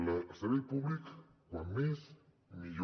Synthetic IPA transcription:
lasaluðpuβlikkʷwanmes | miʎ

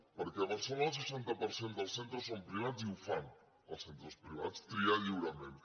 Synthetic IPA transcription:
pəɾkɛβəɾsaβəlˠsəʃant̪əpəɾsend̪əlˠsent̪ɾəsompɾiβ̞ad͡ziufan | ə̰lˠsent̪ɾəspɾiβ̞a̰t͡st̪ɾiaʎiwɾəmẽn

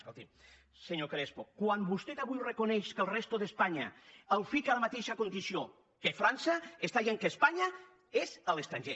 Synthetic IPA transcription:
skolˠt̪im | seɲokɾespokwambust̪et̪aβujrəkonɛʃkəlˠrɛst̪oðəspaɲa̰əlˠfikalamat̪eʃakond̪isio | kefɾansaest̪aʎeŋkəspaɲa | ezəleəkst̪ɾaɲʒe

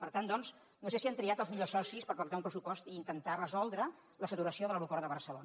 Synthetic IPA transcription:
pəɾt̪and̪ɔnz | nosesiant̪ɾiat̪əlˠzmiʎosɔsispəɾpəɾt̪aumpɾəsupɔst̪iːnt̪ənt̪arəzɔlˠd̪ɾə | ləsət̪uɾəsioðələwɾukɔɾðəβəɾsəlon

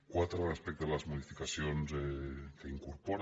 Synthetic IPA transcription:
kwat̪ɾoaspek̚t̪olazmoðifikasjonsekeiŋkuɾpoɾ

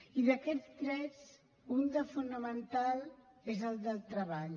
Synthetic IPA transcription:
iðəkɛd͡zt̪ɾɛt͡s | und̪əfunəmənt̪alˠezəlˠd̪əlˠt̪ɾəβaʎ

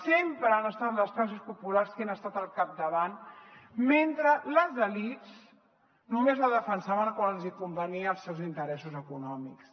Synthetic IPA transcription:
sempɾəanəst̪at̪ləskas̬uspupularskenəst̪at̪əlˠkap̚d̪əβan | ment̪ɾələzəlit͡s | numezləðəfənsaβənkwanlzikumbəniəːlˠsewzint̪əɾɛsuzəkunɔmiks

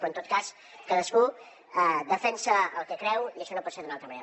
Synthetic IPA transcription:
oənt̪ot̪̚kas | kaðəsku | ɛðəfɛnsəəlˠkɛkɾɛwiəʃɔnopɔt̪seðunalˠt̪ɾəmənḛɾ

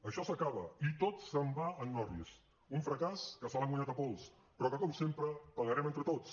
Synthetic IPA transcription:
əʃɔsəkaβ̞ə̰it̪ott͡sːəmbaənːɔɾðiəs | uɱfɾəkaskəsəlaŋɡwaɲat̪əpɔlˠs | pɾɔkəkɔmsempɾəpəɣəɾɛment̪ɾət̪ot͡s

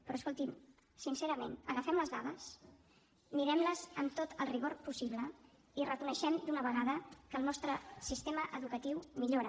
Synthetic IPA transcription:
pɾɔːskolˠt̪im | sinseɾəmenəɣəfɛmləzðaðəs | miɾɛmləzəmt̪ot̪ʰəlˠriɣoɾpusiβlə | irəkunəʃɛmd̪unəβ̞əɣaðəkəːlˠnɔst̪ɾəsist̪eməʔəðukət̪iwmiʎoɾə

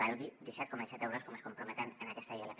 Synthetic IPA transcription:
ɛlɣid̪isɛt̪komaðisɛt̪ɛwɾoskomeskompɾumet̪anenakɛst̪aialek

